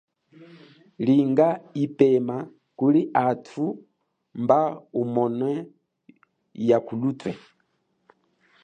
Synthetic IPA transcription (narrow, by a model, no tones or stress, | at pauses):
liŋɡaipɛma | kuliʔatʰu | mbaumɔnwɛ | jakulutwɛ